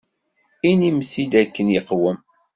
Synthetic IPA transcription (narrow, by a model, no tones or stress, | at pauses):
inimθid̪ækːənjəqwəm